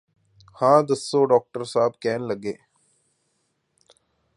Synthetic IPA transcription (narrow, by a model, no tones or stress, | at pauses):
hãːd̪ɐsːoɖɔːk̚ʈəɾsaːb̚kɛːnlɐɡeː